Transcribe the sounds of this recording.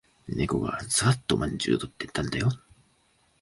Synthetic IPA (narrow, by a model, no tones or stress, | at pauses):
neko̞̰ɡa̰zaat̪ːomʔãɲʲd͡ʑɨ̰ːt̪o̞t̪ːet̪ːãnd̪ajo